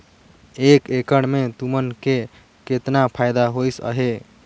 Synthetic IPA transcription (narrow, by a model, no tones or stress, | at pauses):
ekekəɽmet̪umənke | ket̪napʰajd̪aɦojsə̰ɦe